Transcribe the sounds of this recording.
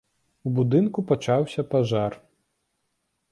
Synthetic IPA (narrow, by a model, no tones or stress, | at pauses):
ubud̪ɨnkupat͡ʂawsʲɐpaʐar